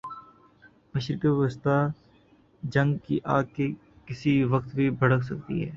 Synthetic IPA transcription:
məʃɾɪkəʋɪəst̪a | d͡ʒɐ̃ŋɡkḭʔaːɡ̚ke | kɪsiʋəkt̪bʱibʱɐɽəks̬ɐk̚t̪ḭɦɛ̰ː

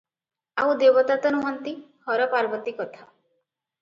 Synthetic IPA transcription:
a̰wd̪ebɔt̪at̪ɔnuɦɔnt̪ihɔɾɔpaɾbɔt̪ikɔt̪ʰa

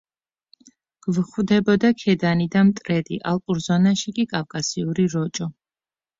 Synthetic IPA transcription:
ɡ̥vχwd̪ɛbɔd̪akʰɛd̪anid̪amt̪ʼɾɛd̪ḭʔalˠqʼuɾzɔnaʃikʼikʼavkʼasiuɾiɾɔt͡ʃʼɔ

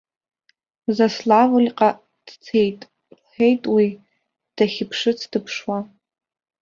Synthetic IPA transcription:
zaslavɨlʲqʼa | d̥t͡sʰejtʼ | ħejtʼwi | d̥aχʲɪpʰʂɨt͡sʰd̥ɨpʰʂwa

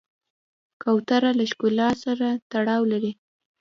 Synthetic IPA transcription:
kawt̪aɾalaʃkulɑsaɾat̪aɽɑwlaɾi

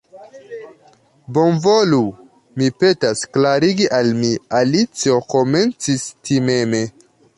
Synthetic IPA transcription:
bo̞nvolu | mipe̞tasklaɾiɡiʔalmialit͡sio̞ko̞me̞nt͡sistʰime̞me̞

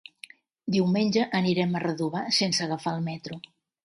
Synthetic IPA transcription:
d̪iwmenʲd͡ʒəʔːniɾɛmərəðuβ̞asensəɣəfalˠmɛt̪ɾu

